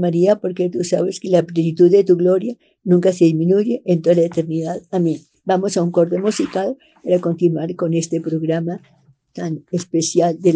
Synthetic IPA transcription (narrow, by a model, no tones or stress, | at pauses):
maɾiapo̞ɾket̪usa̰βeskelaplenit̪uðːe̞t̪uɣlo̞ɾja | nũŋkaseðizmĩnuʝeʔent̪oðalaet̪e̞ɾniðaðamẽn | bamo̞sauŋko̞ɾt̪emosikað | paɾako̞nt̪inwaɾko̞ne̞st̪e̞pɾo̞ɣɾama | t̪anespe̞sjald̪e